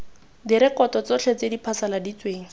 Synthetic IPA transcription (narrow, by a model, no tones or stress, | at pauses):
diɾɪkɔtɔt͡sɔt͡ɬʰet͡sedipʰasaladit͡sweːŋ̩